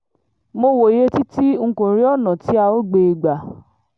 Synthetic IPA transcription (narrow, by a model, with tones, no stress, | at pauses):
mo˧wo˨je˦ti˦ti˦ŋ̩˦˧˨kõ˨ɾĩ˨˦ɔ˦˨nã˨ti˨˦a˧o˦ɡ͡be˧ɡ͡ba˨